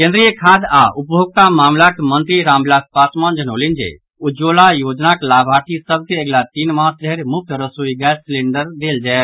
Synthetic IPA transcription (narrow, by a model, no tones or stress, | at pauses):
kẽnd̪ɾijəkʰaːd̪aʔupbʱoɡ̚t̪amaːmlakemənt̪ɾiɾãːmblaspasmand͡ʒənoːlind͡ʒḛ | ud͡ʒolajoːd͡ʒnaklaːbʱaːʈʰisəb̚keeɡlat̪iːnmãːst͡ʃeɾmʊk̚t̪ʰəɾəsoiɡɛsleɳɖəɾd̪eːld͡ʒaɛ